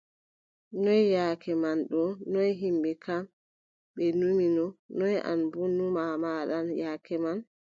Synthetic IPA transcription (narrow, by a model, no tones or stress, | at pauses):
nɔjjaːkɛmanɗɔnɔjɦimɓɛkam | ɓɛnuminɔnɔja̰nbunːumamaɗanjaːkɛman